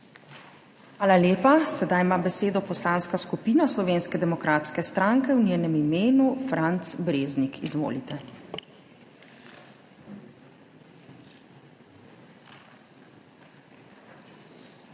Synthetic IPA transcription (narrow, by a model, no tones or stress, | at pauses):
xʋaːlaljeːpasɛd̪ajmaːbɛseːd̪ɔpɔslaːnskaskupiːnaslɔʋeːnskɛd̪ɛmɔkɾaːt̪skɛst̪ɾaŋkɛwnjɛːnɛmimeːnufɾant̪sbɾeːznikizʋo̰ːlit̪ɛ